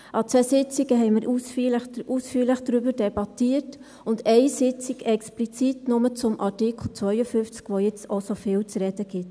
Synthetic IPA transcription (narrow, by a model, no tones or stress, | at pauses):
ʔɑt͡sɛsɪt͡siɡəɦɛɪməɾʔusfləʔusfyːɾləχd̥ɾʏbəɾdɛbɑtiːət | ʊndɛɪsɪt͡siɡɛksplit͡sitnʊmət͡sʊmʔɑrtikʰl̩ˠt͡sʋœʏəfʏnft͡skʋojɪt͡sosofɪːlt͡sɾɛd̥əɡ̥ɪt